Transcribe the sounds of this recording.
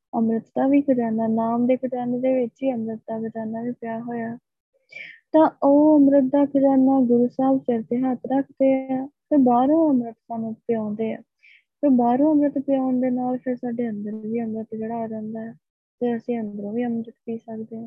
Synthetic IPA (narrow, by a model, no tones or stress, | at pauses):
əmɾət̪d̪aːʋiːkʰɪɾaːnaːnaːmd̪eːkʰəʈ̪aːnːd̪eːʋɪt͡ʃiːəmɾət̪̚d̪aːkɪt̪aːnaːʋiːpɪjaːɦoːjaː | t̪ãːoːəmɾət̪̚d̪aːkʰɪɾaːnaːɡʊɾuːsaːbt͡ʃəɾt̪eːɦət̪ɾakʰd̪eːaːpeɾbaːɾõːəmɾət̪saːnũːpɪjãːnd̪eːɛ̰ː | pebaːɾõːəmɾət̪pɪjãːʊnd̪eːnaːlpʰɪɾsaːɖeːə̃nd̪əɾːʋiːəmɾət̪d͡ʒəɽaːɾɛ̃ːnd̪aːɦɛː | t̪eːəsĩːə̃nd̪əɾõːʋiːəmɾət̪piːsəkd̪eːɛ̃ː